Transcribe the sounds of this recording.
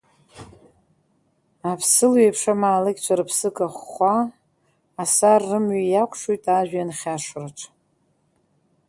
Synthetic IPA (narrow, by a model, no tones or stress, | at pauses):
apʰsɨlwɥepʰʂamaːlɨɡʲt͡ʃʷʰaɾɨpʰsɨkʼaχʷaː | sarːɨmɥijakʷʰʼʂujtʼaʒᶣanχʲaʂraʈ͡ʂʰʼ